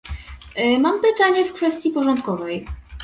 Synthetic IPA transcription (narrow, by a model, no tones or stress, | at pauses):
mampɘt̪aɲɛfkfɛst̪jipɔʐɔnt̪kɔvɛj